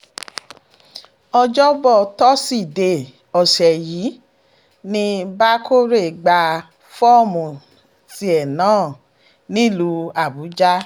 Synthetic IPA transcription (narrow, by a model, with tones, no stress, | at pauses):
ɔ˧d͡ʒɔ˦bɔ˦˨tɔ˦si˦˨de˧˨ | ɔ˨sɛ˨jiː˨˦ | nĩ˧ba˦kʰo˦ɾe˦˨ɡ͡ba˧ | fɔ˦˨mũ˨ | ti˧ɛ˨nãː˨˦˨ | nĩ˦˨lu˧˦a˨bu˨˦d͡ʒa˦